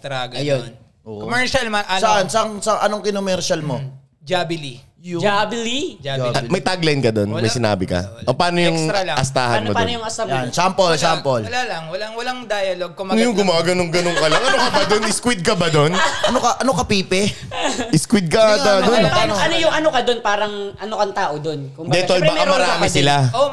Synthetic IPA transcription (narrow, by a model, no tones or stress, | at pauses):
t̪ɾaɡɐjon | ʔoːʔkomɛɹʃɐlmɐʔsɐʔansɐɐŋsɐŋʔɐnoŋkɪnomɛɾʃɐlmo | d͡ʒabɪli | jʊd͡ʒablid͡ʒd͡ʒamɐjt̪aɡlajnkɐd̪onmmɐjsɪna̰ːbɪkɐ̰opaːnojʊŋʔɐst̪a̰ːhɐnmop̪o̰nojʊŋɐsajnsampolsampolɐlalɐŋwɐlaŋwɐlaŋd̪aːjɐloɡ̚kʊmanjʊŋɡʊmaːɡɐnoŋɡɐnoŋkɐlaŋɐnokɐbaɐd̪onɪskwɪd̪̚kɐbɐd̪onʔɐnokɐʔɐnokɐpiːpɛ | ɪskwɪd̪̚kɐɐd̪onɐnoʔɐnojʊŋʔɐnokɐd̪onpaːɾɐŋʔɐnokɐŋt̪aːʔod̪onkʊmdb̪ɛolbaːkamɐɾaːmɪsɪlao